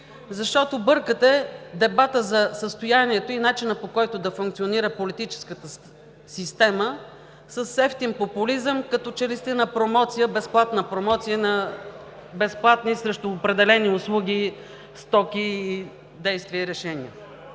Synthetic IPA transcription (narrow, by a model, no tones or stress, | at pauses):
zɐʃt̪ɔt̪obɤɾkət̪ɛd̪ɛbat̪əzɐsəst̪ojaniɛt̪oinat͡ʃinəpokɔjt̪ʊd̪ɐfuŋkt̪sioniɾəpolit̪it͡ʃɛ̥skət̪ə | sist̪ɛmə | səsːɛft̪impopʊlizəmkɐt̪ɔt͡ʃɛlist̪ɛnəpɾomɔt̪sijəbɛsplˠat̪nəpɾomɔt̪sijənɐ | bɛsplˠat̪nisɾɛʃt̪ʊːpɾɛd̪ɛlɛniʊslˠuɡʲi | st̪ɔkiː | d̪ɛjst̪viəiɾɛʃɛniə